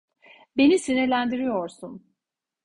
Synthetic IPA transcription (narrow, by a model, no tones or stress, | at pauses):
be̞nisiniɾlʲænd̪iɾijo̞ɾsun